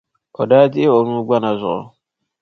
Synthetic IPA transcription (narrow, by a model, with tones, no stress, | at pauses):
ɔ˨daː˦tɪ˦ɔ˨nũː˦ɡ͡ba˦na˨zʊ˨ɔ̰˨